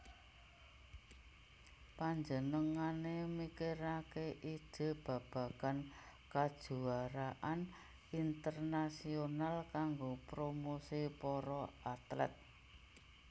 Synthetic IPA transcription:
paɲd͡ʒənəŋanemikeɾakeʔi̥ʒ̥e̤b̥ä̤kä̤kan | kad̥ʒ̥ṳaɾaʔan | int̪ərnasionalkaŋɡopɾomosipɔɾɔat̪lɛ̰t̪̚

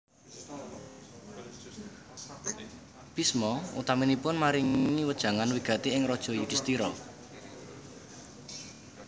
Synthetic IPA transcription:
pismɔṵt̪aminipʊnmaɾiŋiwəd̥ʒ̥ä̤ŋanwiɡ̥a̤t̪eɪŋɾɔd̥ʒ̥ɔ̤jud̥ist̪iɾɔ

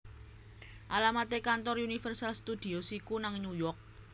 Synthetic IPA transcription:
ʔalamat̪ekant̪ɔrunifərsalst̪ud̪̥i̤osikunaŋɲujɔrk̚

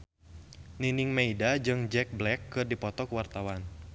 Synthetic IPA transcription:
niniŋmeidad͡ʒɨŋd͡ʒɛk̚blɛkːɨrdipɔt̪ɔkəwart̪awan

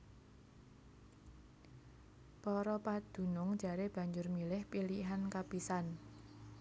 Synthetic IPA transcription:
pɔɾɔpad̪̥ṳnʊŋ̥ʒ̥a̤ɾeb̥ä̤ɲd͡ʒʊrmilɪhpiliɦankapisan

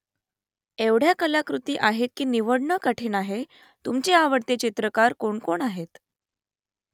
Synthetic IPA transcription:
eʋɽ̤jakəlakɾut̪iːʔaɦet̪̚kiːniʋəɽɳəkaʈʰiːnaɦe | t̪umt͡ɕeaʋəɽt̪et͡ɕit̪ɾəkaɾkoɳkoɳaɦet̪

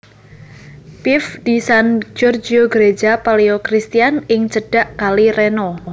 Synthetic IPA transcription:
pɪfd̥isand͡ʒɔrd͡ʒioɡəɾed͡ʒapaleokɾist̪ianɪŋt͡ʃəɖ̥aʔkalirenɔ

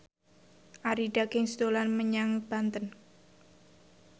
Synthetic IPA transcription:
ʔaɾiɖakɪŋsd̪olanməɲaŋb̥ant̪ən

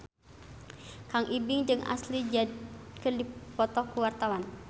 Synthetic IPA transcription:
kaŋʔibɪŋd͡ʒɨŋa̰slid͡ʒakərdipɔt̪ɔkuwart̪awan

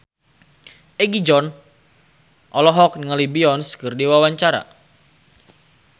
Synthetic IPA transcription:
ɛɡid͡ʒɔn | ʔɔlɔɦɔk̚nŋalibiɔnskɨrdiwawaɲt͡ʃaɾa̰

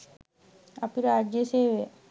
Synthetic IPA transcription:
apiɾad͡ʒjəseːʋe

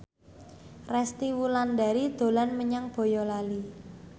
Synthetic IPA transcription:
rɛst̪iwulanda̤ɾid̪̥o̤lanməɲaŋb̥o̤jɔlali

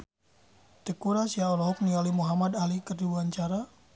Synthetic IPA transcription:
t̪əkuɾasiaɔlɔɦɔk̚nialimuɦamadalikərduuaɲt͡ʃaɾa

